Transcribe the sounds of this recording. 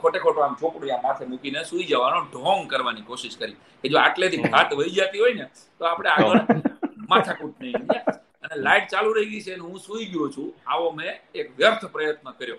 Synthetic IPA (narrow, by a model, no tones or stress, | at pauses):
kʰoʈekʰoʈoamt͡ʃʰokɽjãmat̪ʰemukinesuid͡ʒəʋanoɖʱɔŋɡkəɾʋanikoʃɪʃkəɾi | ked͡ʒoaʈlet̪ʰibʱat̪ʋəid͡ʒat̪iɦoine | t̪oapɽ̃eaɡəɭmat̪ʰakuʈneɡja | ənelaiʈ̚t͡ʃaluɾəɦiɡəit͡ʃʰeneɦũsuiɡjot͡ʃʰũaʋomeːkʋjəɾt̪ʰpɾəjət̪nəkəɾjo